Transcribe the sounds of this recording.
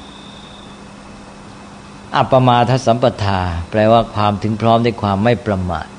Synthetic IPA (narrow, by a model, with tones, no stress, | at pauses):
ʔa˨˩pːa˧maː˧t̪ʰa˦˥sa˩˦mpa˧t̪ʰaː˧pɾɛː˧waː˥˩kʰwaː˧mt̪ʰɯ˩˦ŋpʰɾɔː˦˥mdaː˥˩jkʰwaː˧mːa˥˩jpɾa˧ma̰ː˨˩t̪̚